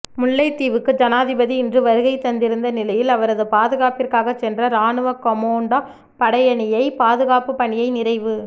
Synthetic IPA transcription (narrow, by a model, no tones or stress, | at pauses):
mʊɭːɐɪt̪ːiːʋɯkːɯd͡ʒɐnaːðɪbɐðiɪndrɯʋɐɾɯɣɐɪt̪ːɐnd̪ɪɾɯnd̪ɐnɪlɐjɪlɐʋɐɾɐðɯpaːðɯɣaːpɪrkaːɣɐt͡ʃːɛndrɐɾaːnɯʋɐkɔmoːɳɖa | pɐɽɐjɐɳɪjɐɪpaːðɯɣaːpɯpɐɳɪjɐɪnɪrɐɪʋɯ